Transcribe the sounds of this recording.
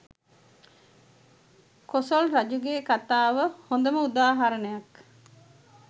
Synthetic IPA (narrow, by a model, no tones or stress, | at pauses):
kosolɾad͡ʒuɡeːkat̪aːʋəhond̪əməud̪aːɦaɾənəjak